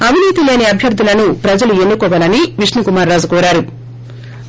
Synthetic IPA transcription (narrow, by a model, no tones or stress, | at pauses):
ɐʋiniːt̪ile̞ːniɐbʱjɐɾd̪ʱulɐnupɾɐd͡ʒɐlue̞nːukɔʋɐlɐniʋiʂnikumaːɾːaːd͡ʒukɔːɾaːɾu